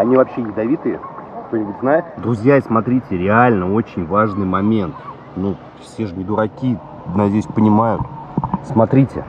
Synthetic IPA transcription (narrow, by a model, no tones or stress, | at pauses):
ɐnʲivɐpɕːejʲɪd̪ɐvʲit̪ɨjəkt̪onʲɪbutʲznajɪt̪d̪ɾʊzʲjaismɐt̪ɾʲitʲɪɾʲɪalʲnəo̞t͡ɕɪnʲvaʐnɨjmɐmʲe̞nt̪ | nu | fsʲeʐɨɡʲɪd̪ʊɾɐkʲi | nɐdʲejsʲpənʲɪmajʊ̰t̪smɐt̪ɾʲitʲɪ̰